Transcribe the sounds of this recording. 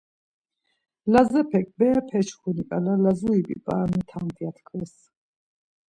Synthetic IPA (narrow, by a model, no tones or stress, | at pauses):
lazɛpʰɛk̚ʰʼbɛpʰɛt͡ʃʰχunikʼalalazuibḭpʼaːnit̪ʰant̪ʰiat̪ʰkʰwɛs